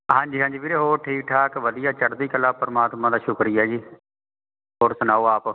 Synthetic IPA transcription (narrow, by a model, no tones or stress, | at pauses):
ɦãːɲd͡ʒiːɦãːɲd͡ʒiːpiːɾeːɦoːɾʈʰiːk̚ʈʰaːkʋəd̪ijaːt͡ʃəɾd̪iːkəlːaːpəɾəmaːt̪mãːd̪aːʃʊkɾɪjaːd͡ʒiː | ɦoːɾsʊnaːoːaːp